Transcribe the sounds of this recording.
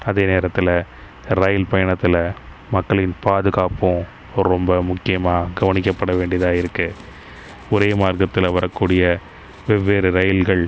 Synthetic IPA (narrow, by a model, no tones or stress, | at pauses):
ɐðeːneːɾɐt̪ːɪlɐ | ɾɐjɪlpɐjɐɳɐt̪ːɪlɐ | mɐkːɐɭɪnpaːðɯɣaːpʊ̃ | ɔɾɾɔmbɐmʊkːɪjɐmaːɡɐʋɐnɪkːɐpːɐɽɐʋeːɳɖɪjɐðaːɪɾɯkːɯ | ɔɾeːmaːrkɐt̪ːɪlɐʋɐɾɐkːuːɽɪjɐ | ʋɛʋːeːɾɯɾɐjɪlɣɐɭ